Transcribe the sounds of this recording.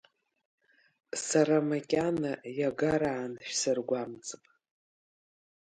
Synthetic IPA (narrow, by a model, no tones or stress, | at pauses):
saɾamakʲʼanajaɡaɾaːnʃᶣsɨrɡʷamt͡sʼɨpʼ